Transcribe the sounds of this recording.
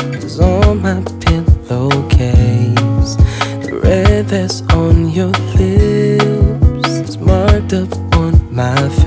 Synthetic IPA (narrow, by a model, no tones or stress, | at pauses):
zɔlmaɪpʰɪ̃nlokʰenz̥ | əɹɛðɨsn̩jə˞lɪ | pz̥smɑɹtʌpnmaɪf